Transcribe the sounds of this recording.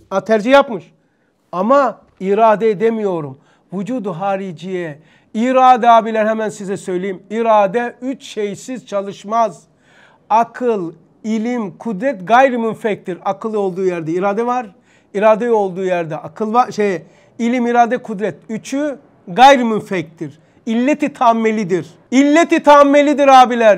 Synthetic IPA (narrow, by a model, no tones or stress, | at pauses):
at̪ʰæɾd͡ʒihjapmɯʃ | ama | iɾaːd̪ɛd̪emijo̞ɾum | vud͡ʒuːd̪uɦaːɾid͡ʒijɛ | iɾaːd̪ɛaːbilʲɛɾhɦɛmænsizɛsø̞jlʲejimiɾaːd̪ɛyt͡ʃʃejsiz̥t͡ʃʰalˠɯʃmaz | akʰɯlˠ | ilʲimkʰud̪ɾɛt̪ɡajɾimynfɛc̚t̪ʰiɾakʰɯlˠɯo̞lˠd̪uːjæɾd̪ɛiɾaːd̪ɛvaɾ | iɾaːd̪ɛjo̞lˠd̪uːjæɾd̪ɛʔakʰɯlˠvaʃej | ilʲimiɾaːd̪ɛkʰud̪ɾɛt̪yt͡ʃʰy | ɡajɾɯmynfɛc̚t̪ʰiɾ | ilʲːet̪ʰit̪ʰamːelʲid̪iɾ | ilʲːet̪it̪ʰamːelʲid̪iɾaːbilʲæɾ